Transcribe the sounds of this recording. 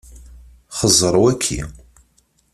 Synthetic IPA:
χəzˤəɾˤwækʰːḭ

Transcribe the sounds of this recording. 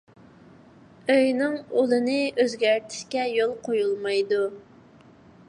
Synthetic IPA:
øjnɪŋolˠɨnɪøzɡʲæɾt̪ʰɪ̥ʃkʲɛjolˠqʰojulˠmɑjd̪u

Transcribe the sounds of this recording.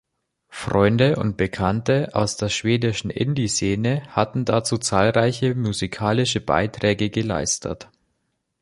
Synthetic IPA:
fʁɔʏndəʔʊ̰nt̚b̥əkʰantəʔa̰ʊsd̥eːɐʃv̥eːdɪʃn̩ʔɪ̰ndiseːnəhatn̩dat͡suːt͡saːlʁaɪçəmuzikʰaːlɪʃəba̰ɪtʁ̥ɛːɡəɡəla̰ɪstʰə̰t

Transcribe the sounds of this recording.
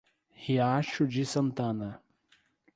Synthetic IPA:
hiaʃud͡ʒisɐ̃nt̪ɐ̃nɐ

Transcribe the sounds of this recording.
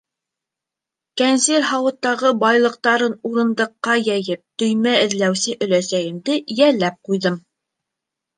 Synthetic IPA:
kænseɾɦɑwɤ̆t̪ːɑʁɤbɑjlˠɤ̆q̚t̪ɑɾɤnuɾɤ̆nd̪ɤ̆qːɑjæjɘp̚t̪ɵ̆jmæɘ̆ðlæwsɘʔɵ̆læsæjɘ̆md̪ɘjælːæp̚qujðɤm

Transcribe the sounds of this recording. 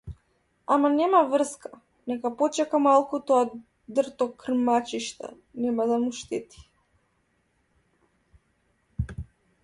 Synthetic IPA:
amanɛmavr̩ska | nɛkapɔt͡ʃɛkamalˠkut̪ɔa | d̪rt̪ɔkr̩mat͡ʃiʃt̪a̰ | nɛmad̪amuʃt̪ɛt̪i̥

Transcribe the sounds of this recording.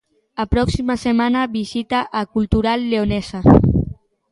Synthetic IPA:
apɾɔksimasemanaβizit̪aʔːkulˠt̪uɾalːeonɛza

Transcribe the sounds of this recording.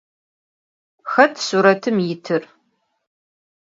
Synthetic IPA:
xɐtʰsuːɾɐtʰɨmjɪtʰɨr

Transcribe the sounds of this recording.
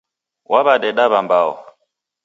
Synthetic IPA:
wʔaβaɗɛɗaβambaɔ̰

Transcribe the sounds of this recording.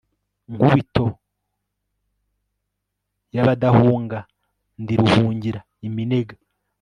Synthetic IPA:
ŋɡuβito̞ | jaβadahuːŋɡa | ndiɾuhuːɲɟiɾa | imine̞ɡa

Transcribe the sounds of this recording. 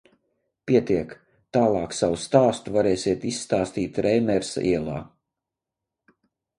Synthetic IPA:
pʲiɛt̪iɛk | t̪aːlˠɑːksawust̪aːst̪uvaɾɛːsʲiɛt̪isːt̪aːst̪iːt̪ɾɛjmɛɾsa̰ʔiɛlˠa̰ː

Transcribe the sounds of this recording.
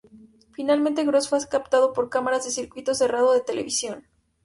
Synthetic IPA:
finalmẽnt̪̬e̞ɣɾosfaskap̚t̪að̞o̞po̞ɾkamaɾazðe̞siɾkwit̪o̞se̞rað̞oðe̞t̪e̞le̞̰βisjo̞n

